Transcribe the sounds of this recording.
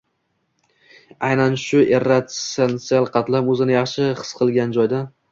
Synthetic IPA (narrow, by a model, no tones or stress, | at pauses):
ajnanʃʊeɾat̪ensɪalˠqʰɑt̪lamɵzɪnɪjɑχʃɪχɨ̥sqʰɨlˠɡʲand͡ʒɒjd̪a